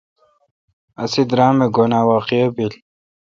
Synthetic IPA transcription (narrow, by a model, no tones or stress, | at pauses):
ɐsid̪ɾaːmeɡonaːwaːqiɐbil